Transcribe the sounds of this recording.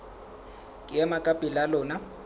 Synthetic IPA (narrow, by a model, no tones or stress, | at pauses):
kʼɪjɛmakʼapʼilalɔːna